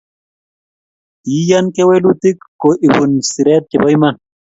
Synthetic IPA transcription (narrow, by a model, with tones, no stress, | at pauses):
t̪i˨˦ja˦nke˦we˦lu˦t̪i˦kːo˨ʔi˨bu˨nsi˨ɾɛ˦t̪̚t͡ʃe˨bɔ˦jman